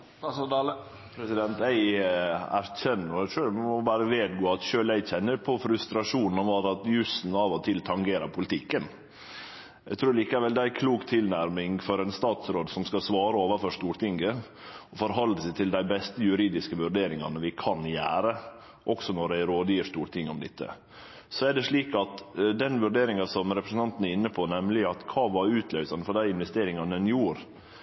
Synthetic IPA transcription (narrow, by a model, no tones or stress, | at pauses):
pʰɾɛsɪd̪ɛnt̪ɛɪæ̰ɾçɛnːɔt̪ɾːmmɔbɑːɾəʋeːd̪ɡoːɑt̪ʃøːlæɪçɛnːəɾpʰɔfɾʉst̪ɾɑʂuːnnɔʋɑɾɑt̪jʉsn̩ɑʋɔt̪ʰɪlt̪ʰɑŋɡeːɾɑɾpʰʊlɪt̪ʰɪkːən | æɪɡt̪ʰɾʉːɾɭiːkəæɾʋɛld̪ɛæɪkʰluːkt̪ʰɪlnæɾmɪŋfɔɾɛɪnst̪ɑːt̪sɾoːd̪sɔmskɑsʋɑːɾəoːʋəɾfɔʂt̪uːɾʈ̪ɪŋɡə | ɔfɔɾɦɑlːəst̪ʰɪld̪æɪbɛst̪əjʉɾiːd̪ɪskəʋʉɖeːɾɪŋɑ̰nəʋɪkʰɑnjæːɾə | ʔɔksɔnɔɖæɪɾoːd̪jiːʂt̪uːɾt̪ʰɪŋːəɔmd̪ɪt̪ʰːə̰ | sɔæɖɛʂɭiːkɑt̪d̪ɛnʋʉɖeːɾɪŋɑsɔmɾɛpɾəsn̩ɑnt̪n̩æɾɪnːəpʰɔnɛmlɪɑt̪kʰɑːʋɑɾʉːt̪ʰlœʏsɑnəfɔɖæɪɪnʋɛst̪eːɾɪŋɑnəɛnjuːɾ